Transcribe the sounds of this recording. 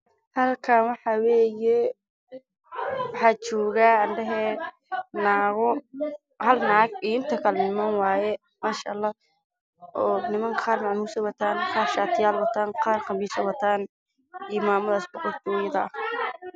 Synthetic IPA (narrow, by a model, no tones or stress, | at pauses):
hɐlkʰaːnwɑħɑwɛːjɛ | wɑħɑːt͡ʃɔːɣaːɐnɖɛɦɛː | naːɣɔ | hɐlnɑʕɑɡiːɪnt̪ʰɐkʰɐlɛnɪmanwaːjɛ | maːʃa̰lːɑː | ɔːnɪmɐŋkʰqɑːrmɑʕmuːsɐwɐt̪ʰaːnqɑːrʃaːt̪ʰɪjaːlwɐt̪ʰaːnqɑːrqɑmbiːsɐwɐt̪ʰaːn | iːmaːmɐðɐsbʊqɔkt̪ʊwɛjɐðɐʔɐ